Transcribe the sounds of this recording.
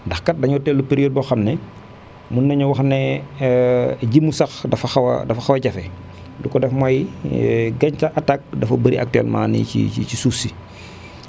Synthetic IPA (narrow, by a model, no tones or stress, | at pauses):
ndɐxkɐt̚dɐɲɔtɛlːupeɾioːd̚bɔxɐmnɛ | munːɐɲɐwɐxnɛ | ɟimːusɐxdɐfɐxɐwɐ̰dɐfɐxɐwɐɟɐfɛ | lukɔdɛfmaji | ɡɐɲcaʔatak̚dɐfɐbəɾiʔɐ̰k̚tɛ̰ːlma̰ːnḭcḭḭcisusi